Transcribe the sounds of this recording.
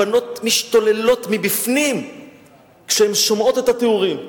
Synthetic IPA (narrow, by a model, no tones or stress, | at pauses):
ano̞tmiʃt̪o̞le̞lo̞tmibifnim | kʃehemʃomʔo̞tethateuʁim